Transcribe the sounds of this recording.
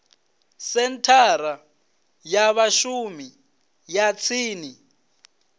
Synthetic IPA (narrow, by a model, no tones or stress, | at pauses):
sɛntʰaɾa | jaβaʃumi | jat͡sʰiːni